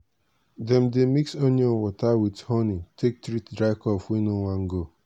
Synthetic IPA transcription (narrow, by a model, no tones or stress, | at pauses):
dɛm̩demiksonowɔtawithɔnitek̚tɾitdɾaɪkɔfwinoŋʷaŋ̩ɡo